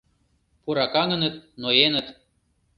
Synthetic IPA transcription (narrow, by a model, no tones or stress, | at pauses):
puɾɑkɑŋə̆nə̆t̪̚noenə̆t̪